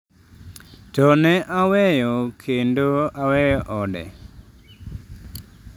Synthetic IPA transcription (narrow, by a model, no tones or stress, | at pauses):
tɔnɛʔawɛjɔkʰendoawɛjɔʔɔdɛ̰